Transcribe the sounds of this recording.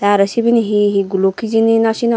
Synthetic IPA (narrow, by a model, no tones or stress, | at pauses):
t̪aɾəsibiniɦiɦiɡulokid͡ʒininaʃin